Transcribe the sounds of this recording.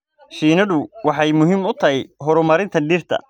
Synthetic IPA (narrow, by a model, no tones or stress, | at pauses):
ʃiːnɐðʊwɑħɑjmʊɦimʊt̪ʰɐɦɛjɦɔɾʊmɐɾɪnt̪ʰɐɖiːrt̪ʰɐ̰